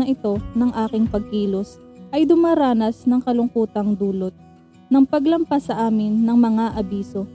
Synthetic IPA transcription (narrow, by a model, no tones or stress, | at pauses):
ʔɪt̪o̞nɐŋʔaːkɪŋpɐɡ̚kiːlo̞s | ʔɐjd̪ʊmaɾaːnɐsnɐŋkɐlʊŋkuːt̪ɐŋd̪uːlo̞t̪̚ | nɐŋpɐɡlɐmpɐsːɐʔaːmɪnːɐŋmɐŋaʔɐbiːso̞